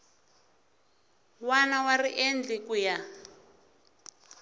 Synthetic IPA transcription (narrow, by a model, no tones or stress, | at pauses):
wanawariʔend͡ɮikuja